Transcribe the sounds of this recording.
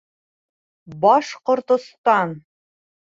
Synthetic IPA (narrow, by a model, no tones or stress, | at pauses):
bɒʃqŏɾt̪ŏst̪ɑn